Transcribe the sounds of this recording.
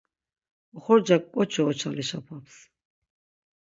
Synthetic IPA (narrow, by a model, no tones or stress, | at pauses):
ɔχɔɾd͡ʒakʼkːʼɔt͡ʃʰɔːt͡ʃʰaliʃapʰaps